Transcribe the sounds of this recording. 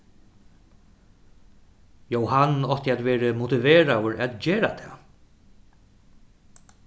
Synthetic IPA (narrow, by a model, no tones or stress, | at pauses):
jowhanɔht̪əat̪vɛːɾəmut̪ɪveːɾawəɹat̪d͡ʑeːɾat̪ʰɛː